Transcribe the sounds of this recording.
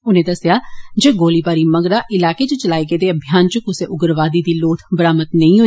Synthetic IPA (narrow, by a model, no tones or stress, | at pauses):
ʊnẽːd̪əsɪjaːd͡ʒeːɡoːliːbaːɾiːməɡɾaːʔɪlaːkeːt͡ʃʊt͡ʃəlaːiːkeːd̪eːəbʱijaːnt͡ʃʊkʊseːʔʊɡəɾʋaːd̪iːd̪iːloːt̪ʰbəɾaːmət̪nəĩːɦo